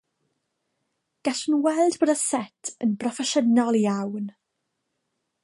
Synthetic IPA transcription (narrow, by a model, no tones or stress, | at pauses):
ɡ̥aɬənwɛlˠdboːdasɛtʰənbrɔfɛʃənɔlˠiawn